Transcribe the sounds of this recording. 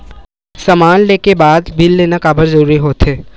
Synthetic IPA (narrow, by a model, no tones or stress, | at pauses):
sɐmaːnleːkebaːd̪bʱɪlːeːnakaːbəɾzɐɾuːɾiɦoːt̪ɦeː